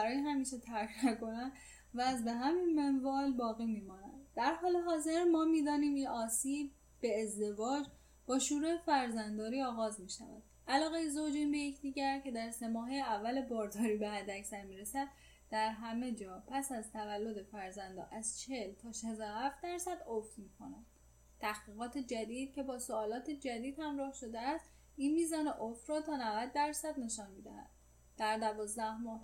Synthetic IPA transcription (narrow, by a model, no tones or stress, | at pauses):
bæɾɒːjeɦæmiːʃet̪ʰæɾcʰnæko̞næn | væzbeɦæminmenvɒːlbɒːɣiːmiːmɒːnænd̪̥æɾhɒːle̞ɦɒːze̞ɾmɒːmiːd̪ɒːniːminʔɒːsiːb̚ːe̞ːzd̪e̞vɒːd͡ʒ | b̥ɒːʃuːɾuefæɾzænd̪ɒːɾiːɒːɣɒːzmiːʃæ̰væ̰d̪̥ʔælɒːɣe̞jezod͡ʒinbe̞jecʰd̪iːɟæɾcʰe̞d̪æɾse̞mɒːɦejeævːælebɒːɾd̪ʰɒːɾiːbeɦæd̪ːæcsæɾmiːɾe̞sæd̪̚ | d̪̥æɾɦæme̞d͡ʒɒːpʰæsæzt̪ʰævælːo̞d̪efæɾzænd̪ɒ̰ːʔæz̥t͡ʃʰeelt̪ʰɒːʃezɒhæft̪̚d̪æɾsæd̪oft̪miːkʰo̞næd̪ | t̪ʰæxɡiːɣɒːt̪ʰe̞d͡ʒæd̪iːd̪̥cʰe̞bɒːsoɒːlɒːt̪ʰed͡ʒæd̪iːd̪hæmɾɒːhʃo̞d̪eæst̪ | iːnmiːzɒːneʔoft̪ɾɒːt̪ʰɒːnævæd̪ːæɾsæd̪ne̞ʃɒːnmiːd̪æ̰hæ̰d̪̥̚ | d̪̥æɾd̪ævɒːzd̪æhmɒːh